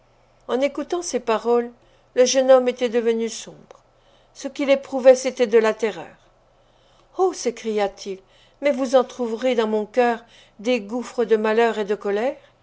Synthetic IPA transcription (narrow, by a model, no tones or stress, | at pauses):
ɑ̃nekut̪ɑ̃sepaʁɔlː | əʒənɔmet̪ɛd̪əvənysɔ̃bʁ | səkʲilepχuvɛset̪ɛd̪əlat̪ɛʁœ̰ːʁ | osekχijat̪ʰil | mɛvuzɑ̃t̪χuvʁed̪ɑ̃mɔ̃kʲœːʁ | d̪eɡufχəd̪əmalœʁed̪əkɔlɛːʁ